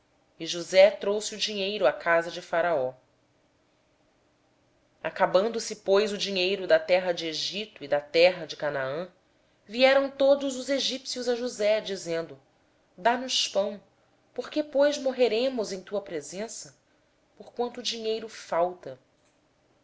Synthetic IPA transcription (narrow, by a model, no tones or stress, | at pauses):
iʒuzɛt̪ɾowsiud͡ʒiɲejɾʊakʰazɐd͡ʒɪfaɾaɔ | akabɐ̃nd̪ʊsɪpojzʊd͡ʒiɲejɾʊd̪ɐt̪ɛɦɐd͡ʒɪeʒit̪ʊid̪ɐt̪ɛɦɐd͡ʒɪkanaɐ̃ | viɛɾɐ̃w̃t̪od̪ʊzʊzeʒipsjuzɐʒuzɛd͡ʒizẽnd̪ʊ | d̪anʊʃpɐ̃w̃ | poχkepojzmoɦeɾẽmʊzẽj̃t̪uɐpɾezẽsɐ | poχkwɐ̃nt̪ʊːd͡ʒiɲejɾʊfawt̪ɐ